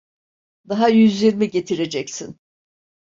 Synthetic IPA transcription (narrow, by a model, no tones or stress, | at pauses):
d̪aɦajyzlʲiɾmiɟe̞t̪ʰiɾe̞d͡ʒɛcsin